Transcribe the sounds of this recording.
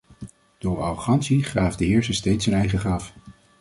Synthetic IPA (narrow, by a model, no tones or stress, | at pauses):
d̥ʊːɹɑχɑnsiχraːvdəɦɪːɹsəstejtsɦənɛjχəχrɑf